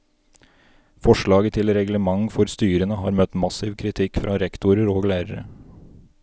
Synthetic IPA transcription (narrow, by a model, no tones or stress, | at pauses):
fɔʂɭɑːɡət̪ʰɪlɾɛɡləmɑŋfɔɾst̪yːɾənəɦɑ̰ːɾmœt̪mɑsɪʋkʰɾɪt̪ʰɪkːfɾʔɑːɾɛkt̪ʊɾəɾoːɡlæːɾəɾə̰